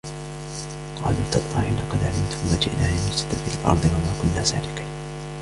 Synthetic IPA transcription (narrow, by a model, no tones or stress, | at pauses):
qɑ̰ːlʊt̪ɑt̪ːˤɑːħiːlɑqɑd̪ʕalɪmt̪ʊmwad͡ʒɪ̰ʔnʔaːʕamʊsɪ̥t̪afiːʔalʔɑ̰ɾˤd̪ˤɨwamaːkʊnːaːsa̰ːlɪqiːn